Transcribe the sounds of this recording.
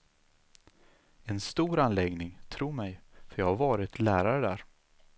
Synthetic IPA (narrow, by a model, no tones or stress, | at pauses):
ɛnst̪uːɾanlɛɡnɪŋt̪ʰɾuːɾmɛjfœɾjɑːhaɾvɑːɾɪt̪ʰlæːɾaɾəd̪æːɾ